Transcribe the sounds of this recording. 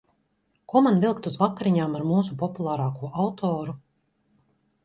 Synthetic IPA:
kuɔmanvilˠkt̪uzvakːaɾiɲaːmaɾmuːsupɔpulˠaːɾaːkuɔʔawt̪ʰɔːɾu

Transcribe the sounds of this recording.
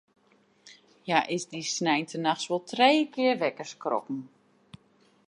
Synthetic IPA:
jaʔɪzdisnɛjntʰənaxsʋɔlˠtʰrejəkɪərʋɛkərskrɔ̰pn̩

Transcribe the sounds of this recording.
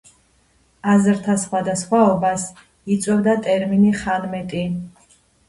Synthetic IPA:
azɾt̪ʰasχwad̪asχwaɔbas | it̪sʼwɛvd̪at̪ʼɛɾminiχanmɛt̪ʼi

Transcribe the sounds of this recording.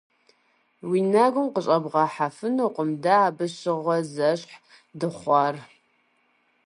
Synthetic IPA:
winɐɡʷʊmqəɕʼɐbʁɑħafɨnoːqʷʼəmdaːbɨɕɪʁʷɔzɐɕʼħ | dɨχʷɑr

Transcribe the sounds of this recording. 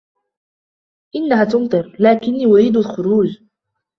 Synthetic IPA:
ʔɪnːaɦat̪ʊnt̪ɨɾlaːkɪnːiːʔʊɾiːd̪alxʊɾuːd͡ʒ

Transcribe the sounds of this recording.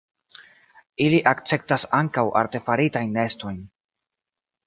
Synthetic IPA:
iliʔakt͡se̞p̚tasaŋkawʔa̰ɾte̞faɾitajnːe̞sto̞jn

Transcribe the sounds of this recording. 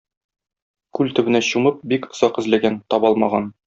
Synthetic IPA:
kʉlt̪ɵ̆bɘ̆næɕumɤp̚bikŏz̥ɑqɘ̆zlæɡænt̪ɒbɒlˠmɑʁɑn

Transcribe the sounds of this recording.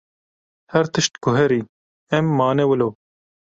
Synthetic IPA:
hɛɾt̪ɨʃt̪kʊɦɛɾiː | ɛmːaːnewəloː

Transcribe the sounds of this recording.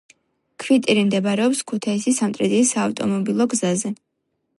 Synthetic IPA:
kʰvit̪ʼiɾimd̪ɛbɾɛɔpskʰut̪ʰaisisamt̪ʼɾɛd̪iːsaːft̪ʼɔ̰mɔbilˠɔɡzazɛ

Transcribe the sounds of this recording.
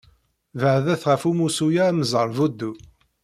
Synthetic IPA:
vəʕðæθʁəfumusujamzˤəɾˤvud̪ːu

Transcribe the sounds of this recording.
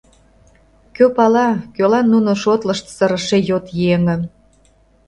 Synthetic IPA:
køpɑlɑkølɑnːunoʃot̪lə̆ʃt̪səɾə̆ʃejot̪jeŋə̆n

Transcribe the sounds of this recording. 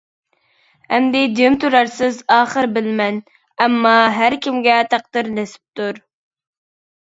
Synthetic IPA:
hɛmd̪ɪd͡ʒ̪emt̪ʰuɾɑɾsɪzɑːχəɾbɪlmɛn | ɛmːɑɦæɾkʲʰimɡʲɛt̪ʰɑq̚d̪ɨɾnesɪ̥p̚t̪uɾ

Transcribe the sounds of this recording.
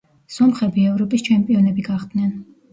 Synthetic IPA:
sɔmχɛbiɛvɾɔpʼist͡ʃʰɛmpʼiɔnɛbiɡaχd̪̥nɛn

